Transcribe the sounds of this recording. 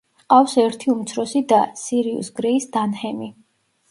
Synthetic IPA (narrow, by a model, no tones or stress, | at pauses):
qʼafsɛɾt̪ʰiumt̪sʰɾɔsid̪asiɾiṵsɡɾɛisd̪anhɛmi